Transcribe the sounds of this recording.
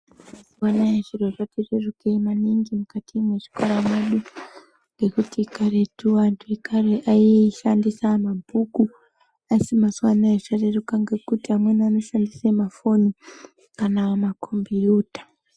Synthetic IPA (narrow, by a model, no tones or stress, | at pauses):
maswanaeʐirweʐatererukemaniŋɡimukatimwe̞ʐi̥koɾameɗu | ŋɡe̞kutikaɾe̞tuwantʰuikʰaɾeʔaiʃandisamabʱuku | asimaswanaet͡ʃarerukaŋɡe̞kutiɦamweniano̞ʃandisemafo̞ni | kanamakʰombijuːtḁ